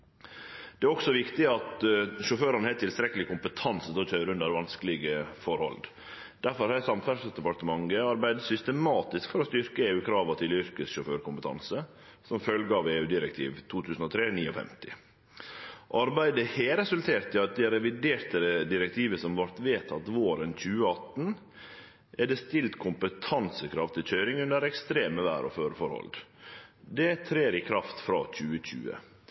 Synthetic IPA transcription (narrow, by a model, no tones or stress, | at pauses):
d̪̥ɛæɾɔksɔʋɪkt̪ɪɑt̪ʃʊføːɾɑnəhɛːt̪ɪlst̪ɾɛkəlɪkʊmpət̪ʰɑnsət̪ɔt̪ʰœʏɾʉnd̪əɾʋɑnskəlɪɡəfɔɾhɔ̰ld̪ | d̪̥æɾfɔɾhɑɾæsɑmfæɖsəd̪ɛpɑɾt̪əmɑŋɡəɑɾbæɪd̪əsʏst̪əmɑːt̪ɪskfɔɾɔst̪ʏɾkəeːʉːkʰɾɑːʋɑt̪ʰɪlʏɾkəsʃʊføːɾkʊmpət̪ʰɑ̰nsə | sɔmfœlɡəɑʋeːʉːd̪ɪɾɛkt̪ʰḭːʋt̪ʰuːt̪ʰʉːsən̩ɔt̪ʰɾeːniːɔfɛ̰mt̪ɪ | ʔɑɾbæɪd̪əheːɾɛsʉlt̪ʰeːɾt̪ɪɑt̪̚d̪ɛɾɛʋɪd̪eːɾt̪əd̪ɪɾɛkt̪ʰiːʋəsɔmʋɑɾt̪ʋeːt̪ʰɑt̪ʋoːɾənc͡çʉːəɑt̪n̩ | ʔɛɖɛst̪ɪlt̪kʰʊmpət̪ʰɑnsəkʰɾɑʋt̪ʰɪlçœʏɾɪŋʉnd̪əɾɛkst̪ɾeːməʋæ̰ːɾɔ̰føːɾəfɔɾhɔ̰ld̪ | d̪ɛt̪ʰɾeːɾɪkʰɾɑft̪fɾɑ̰ːc͡çʉːəc͡çʉ̰ːə̰